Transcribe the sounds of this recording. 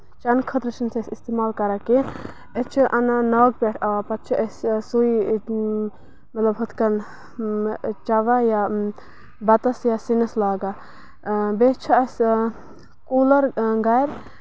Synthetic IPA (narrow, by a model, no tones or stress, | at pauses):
t͡ʃɐnkʰɐt̪ɾt͡ʃʰɐnsɐsist̪emaːlkɐɾake | et͡ʃʰiʔɐnanɐːɡ̚peʈʰaapɐt̪̚t͡ʃʰiʔɐssui | mɐt̪lɐbɦɐt̪kɐn | t͡ʃaʋaja | bɐt̪ɐsjasinɐslaːɡa | bet͡ʃʰɐɐs | koːlɐɾɡajɾ